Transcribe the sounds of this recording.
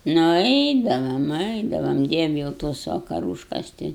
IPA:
nʊ ˈɛɪdɐʋɐm ˈɛɪdɐʋɐm ˈdʲiɛʋʲɪ jɛʊ ˈtoːs ʋɐkɐˈruːʃkɐs ˈtʲɪ

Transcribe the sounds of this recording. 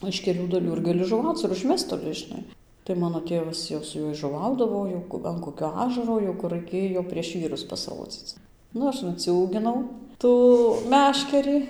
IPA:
ɪʃ kʲɛˈlʲuː dɐˈlʲuː ɪr ɡɐˈlʲɪ ʒʊˈʋɐʊt͡s ɪr ʊʒʲˈmʲɛst toːˈlʲɪ ʒʲɪˈnɐɪ tɐɪ ˈmɑːnoː ˈtʲeːʋɐs jɛʊ sʊ ˈjuɔj ʒʊˈʋɐʊdɐʋoː jɛʊ ɐn koːˈkʲoː ˈɑːʒɐroː jɛʊ ˈkʊr rɐɪˈkʲeːjoː pʲrʲiɛʃ ˈʋʲiːrʊs pɐsˈroːd͡zʲiːt͡s ˈnʊ ˈɐʃ nʊt͡sʲuːɡʲɪnɐʊ ˈtuː ˈmʲæːʃʲkʲɛrʲiː

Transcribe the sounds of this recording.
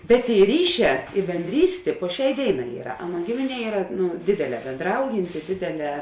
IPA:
bʲɛt ˈtʲeːɪ ˈrʲiːˌʃʲɛː ɪ bʲɛnʲˈdʲrʲiːsʲtʲeː poː ˈʃʲɛɪ ˈdʲeːɪˌnɑː ˈiːrɐ ˈɑːˌnuɔ ˈɡʲɪmʲɪˌnʲiɛ ˈiːrɐ ˈnʊ ˈdʲeːdʲeːˌlʲɛː bʲeːnˈdrɐʊjɪnʲtʲɪ ˈdʲeːdʲeːˌlʲɛː

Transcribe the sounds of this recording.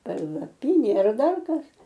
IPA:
pɐlˠɐˈpʲiːnʲeː ɐr ˈdɐr ˈkɐs

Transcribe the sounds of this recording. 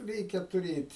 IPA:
ˈrʲɛɪkʲɛ tʊˈrʲeːtʲ

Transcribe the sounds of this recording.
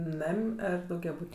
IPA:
ˈnɐmʲ ˈɐr dɐʊɡʲɛˈbuːtʲ

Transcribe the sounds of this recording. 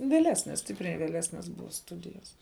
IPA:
ʋʲeːˈlʲæːsʲnʲɛs ˈsʲtʲɪpʲrʲɛɪ ʋʲeːˈlʲæːsʲnʲɛs ˈbʊʋɐ ˈstʊdʲɪjɛs

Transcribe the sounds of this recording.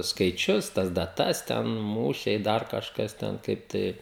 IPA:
skɐɪˈt͡ʃʲʊs tɐs dɐˈtɐs tʲɛn ˈmuːʃʲɛɪ ˈdɐr kɐʃˈkɐs ˈtʲɛn kɐɪp ˈtɐɪ

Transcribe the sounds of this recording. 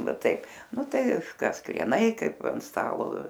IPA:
ˈnʊ ˈtɐɪp ˈnʊ ˈtɐɪ ˈkɐs krʲiɛˈnɐɪ ˈkɐɪp ɐn ˈstɑːlˠoː

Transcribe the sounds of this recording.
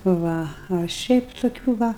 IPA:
ˈʋɐ ɐ ˈʃʲɛɪp toːˈkʲuː ˈʋɐ

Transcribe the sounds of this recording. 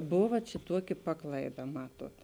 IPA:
ˈboːʋɐ ˈt͡ʃʲɛ ˈtuɔˌkʲɪ ˈpɑːklˠɐɪˌdɐ ˈmɑːˌtuɔt

